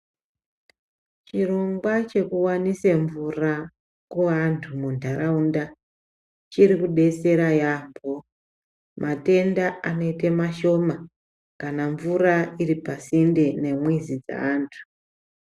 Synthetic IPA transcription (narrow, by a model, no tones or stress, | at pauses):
t͡ʃiro̞ŋɡwat͡ʃe̞kuwaniseɱvura | kuantʰumundʱaɾaunda | t͡ʃiɾikuɗe̞se̞ɾajambo | mʔate̞ndaano̞itemaʃo̞ma | kanaɱvurairipasindene̞mwizid͡za̰aːntʰu̥